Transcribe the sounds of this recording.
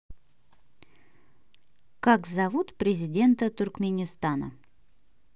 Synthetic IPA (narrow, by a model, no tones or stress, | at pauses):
kakzɐvut̪pɾʲɪzʲɪdʲe̞nt̪ət̪ʊrkmʲɪnʲɪst̪anə̰